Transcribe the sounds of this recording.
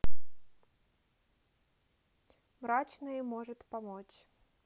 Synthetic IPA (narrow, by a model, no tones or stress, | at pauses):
mɾat͡ʃnɐjimɔʐɨt̪ʲpamɔt͡ɕ